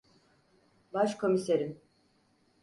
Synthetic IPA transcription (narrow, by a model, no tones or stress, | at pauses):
baʃkʰo̞miseɾin